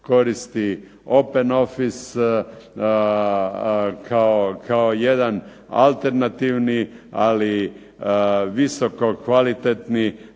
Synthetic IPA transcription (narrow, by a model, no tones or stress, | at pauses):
ko̞ɾist̪i | o̞peno̞fis | kʰaokʰaojed̪an | a̰lt̪eɾnat̪iːʋni | ali | ʋisokokʋalit̪et̪ni